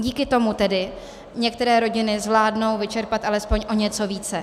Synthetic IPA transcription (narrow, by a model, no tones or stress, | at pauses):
ɟiːkɪt̪o̞mut̪ɛdɪ | ɲɛk̚t̪ɛɾɛːɾo̞ɟɪnɪzvlaːdno̞wvɪt͡ʃɛɾpat̪ʔalɛspo̞ɲʔo̞ɲɛt͡so̞viːt͡sɛ